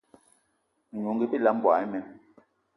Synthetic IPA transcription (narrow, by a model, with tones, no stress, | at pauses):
ɲu˨ŋɡi˨pe˦˨la˦m˦bwa˨˦i˦mɛ˨˦n